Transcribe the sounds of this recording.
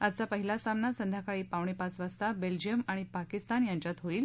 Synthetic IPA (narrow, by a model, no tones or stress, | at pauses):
at͡sapəɦilasamnasənd̪ʱjakaɭiːpaʋɳ̃epat͡sʋast̪abeld͡ʑijəmaɽ̃ipakist̪anjaɲt͡ɕat̪ɦoiːl